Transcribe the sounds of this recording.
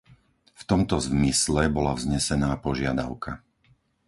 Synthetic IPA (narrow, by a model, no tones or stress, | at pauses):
ft̪ɔmt̪ɔzmislɛbɔlavzɲɛsɛnaːpɔʒɪad̪a̰ʊka